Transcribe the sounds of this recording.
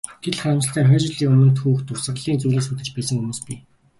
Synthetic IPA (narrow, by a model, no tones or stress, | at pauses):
ɡ̥eɮχæːmsə̆ɬt̪ʰæːŋχœːt͡ɕɪ̆ɮiːkɵmɵ̆nt̪xuːxt̪ʰʊrsə̆qɮiːnt͡sujɮiːsuːt̪ɘ̆t͡ɕpæːsə̆ŋxumuːspi